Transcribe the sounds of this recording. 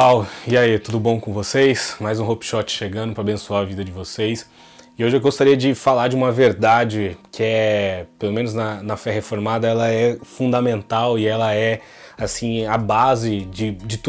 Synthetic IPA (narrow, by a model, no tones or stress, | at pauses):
awiait̪ud̪ʊbõw̃kõvosejsmajzũɦopi̥ʃɔt͡ʃɪ̥ʃeɡɐ̃d̪ʊpɾɐabẽsuaɾɐvid̪ɐd͡ʒɪvosejs | ɪoʒɪewɡost̪aɾiɐd͡ʒɪfalaɾd͡ʒɪũmɐveɾd̪ad͡ʒɪkʰɪɛpelomẽnʊznɐnɐfɛhefoɾmad̪ɐɛlɐɛfũd̪amẽnt̪awɪɛlɐɛ | asĩɐbazɪd͡ʒɪd͡ʒɪt̪u